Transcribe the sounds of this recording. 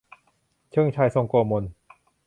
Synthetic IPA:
t͡ɕʰɯ˥˩˨ŋt͡ɕʰa˧jso˧ŋkoː˧mo˧n

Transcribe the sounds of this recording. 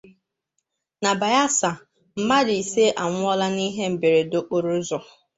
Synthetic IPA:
na˨ba˨ja˦sa˨ | m̩˦ma˦di˨i˨se˦ʔa˨ŋʷʊ˦ɔ˦la˦ni˦ɦe˦m̩˨be˨ɾe˨do˨ʔo˨ɾu˦zʊ˨

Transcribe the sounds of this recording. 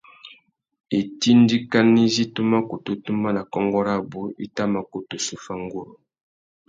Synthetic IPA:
e˨ti˦ndi˦ka˦ni˦zi˦tu˦ma˦ko˨to˨tu˦ma˦na˨kɔ˦ŋɡɔ˦ɾa˦˨bu˦ḭ˦ta˦ma˨ko˨tu˨su˦fa˦ŋɡo˦ɾo˨

